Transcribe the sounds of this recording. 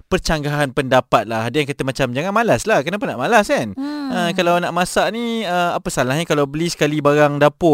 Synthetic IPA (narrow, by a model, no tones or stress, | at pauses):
pərt͡ʃaŋɡaɦanpəndapat̪̚lahɦadəjãŋkat̪əmat͡ʃamd͡ʒaŋanmalaslahkənapanːa̰ʔmalaskanəkalawnaʔmãsaʔniəapəsalahɲakalawbəlisə̥kalibaɾaŋdapʊ